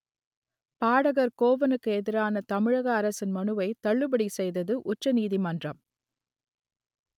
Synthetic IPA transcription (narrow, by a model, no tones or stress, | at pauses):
paːɽɐɣɐɾkoːʋɐnɯkːɯɛðɪɾaːnɐt̪ɐmɪɻɐɣɐːɾɐsɪnmɐɳɯʋɐɪt̪ɐɭːɯbɐɽisɛjðɐðɯʔʊʈrɐniːðimɐndrɐm